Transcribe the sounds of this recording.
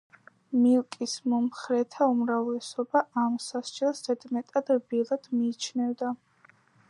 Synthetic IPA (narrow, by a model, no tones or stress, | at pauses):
milˠkʼismɔmχɾɛt̪ʰaumɾavlɛsɔbaʔamsasd͡ʒɛlˠszɛd̪mɛt̪ʼad̪̥bilˠad̪̥miːt͡ʃʰnɛvd̪a